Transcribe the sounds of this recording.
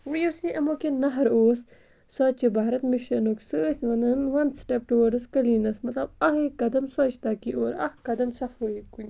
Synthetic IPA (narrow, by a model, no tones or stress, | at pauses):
wujusĩʔɐmokenɐɦɐɾoːs | saːt͡ʃibaːɾɐt̪miʃɐnoːksɨsʲʋɐnɐnʋɐnsʈep̚ʈuwɐɾɖɨskɐliːnɐsmɐt̪lɐbɐhekɐd̪ɐmsaːt͡ʃʰt̪ɐːkiʔoːɾɐ̰hkɐd̪ɐmsɐfojiku